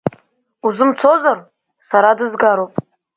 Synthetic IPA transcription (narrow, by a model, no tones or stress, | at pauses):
uzɨmt͡sʰozar | saɾadɨzɡaɾowpʼ